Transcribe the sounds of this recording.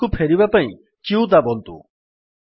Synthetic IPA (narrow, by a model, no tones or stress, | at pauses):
kupʰeɾibapaĩ | t͡ʃiud̪abɔnt̪ṵ